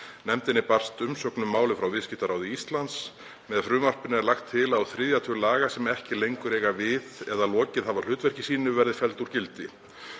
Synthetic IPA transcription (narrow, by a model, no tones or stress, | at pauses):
nɛmt̪ɪnɪpar̥st̪ʏmsœknʏmːaːwlɪfɾawvɪscɪht̪aɾaːwðɪist̪lant̪s | mɛðfɾʏːmar̥pʏnɛɾlaxt̪ʰːɪlawθɾɪðjat̪ʰʏlaːɣasɛmɛhcɪlejŋkʏɾejɣavɪðɛðalɔːcɪðavaɾ̥l̥ʏːt̪vɛr̥cɪ̥siːnʏvɛɾðɪfɛlt̪uɾ̥cɪlt̪ɪ